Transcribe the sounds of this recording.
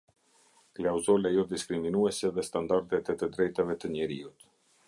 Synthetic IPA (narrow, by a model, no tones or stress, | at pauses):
klawzɔlajɔd̪iskɾiminuɛsɛðɛst̪and̪aɾt̪ɛt̪ɛt̪əd̪ɾɛjt̪avɛt̪əɲɛɾiut̪